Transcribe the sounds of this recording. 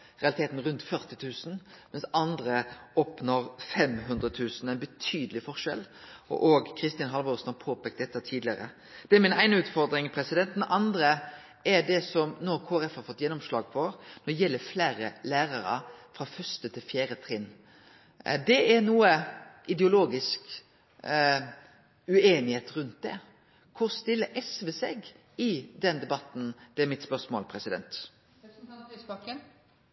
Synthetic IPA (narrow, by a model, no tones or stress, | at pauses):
ʁɛɑlɪt̪eːt̪n̩ʁʉnt̪fœʁt̪ɪt̪ʰʉːsn̩mɛnsɑnd̪ɾəɔpnɔɾfɛmɦʉnd̪ɾʁət̪ʰʉːsnæɪnbət̪ʰyːd̪əlɪfɔʁʂɛ̰lɔ̰ʔoːɡkʰɾɪst̪ɪnɦɑlʋoːɾsnhɑɾpʰoːpɛk̪̚d̪ɛt̪ːət̪ʰiːd̪lɪəɾə̰ | d̪̥ɛæɾmɪnæɪnəʉːt̪fɔɾd̪ɾɪŋpʰɾɛsɪd̪ɛnt̪d̪ʔɑnd̪ɾə | ɛɖɛsɔmnoːkʰoːæɾɛfhɑɾfɔt̪ːjɛnːɔmʂlɑːɡ̚pʰɔnɔɾɖɛjɛlːəɾflæːɾəlæːɾɑɾə̰fɾɑfœʂt̪ət̪ʰɪlfjæːɾət̪ʰɾɪnː | d̪ɛæɾnuːəʔɪd̪ɛʊloːɡɪsk | ʉeːnɪheːt̪ɾʉnt̪̚d̪ɛ̰ | kʰʊɾst̪ɪlːəʔɛsʋəsɛɡ | ɪd̪ɛnd̪ɛbɑt̪ːn̩d̪̥ɛæɾmɪt̪spœɾsmo̰lpʰɾɛsɪd̪ɛ̰nt̪